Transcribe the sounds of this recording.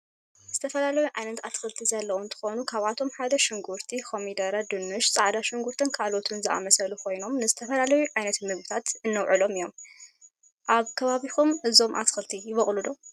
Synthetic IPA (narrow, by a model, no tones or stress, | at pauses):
z̥ɨt̪ʰɐfɐlalɐjuʕajnɐt̪at̪xɨlt̪ʰizɐlːɐwunt̪ʰɨ̥xo̞nukʰaβat̪ʰo̞mħad̪ɐʃɪŋɡuɾt̪ʰikʰo̞mid̪ɐɾad̪ɨnːɨʃt͡sʼaʕd̪aʃɪŋɡuɾt̪ʰɨnkʰalo̞t̪ʰɨnzɨʔa̰mɐsɐlukʰo̞jno̞mnɨzɨt̪ʰɐfɐlalɐjuʕajnɐt̪mɨɡbɨt̪ʰat̪ɨnːɐwʕɨlo̞mɨjo̞m | ʔaβkʰɐβaβikumʔɨzo̞mʔa̰t̪xɨlt̪ʰijɪβɐχʼlud̪o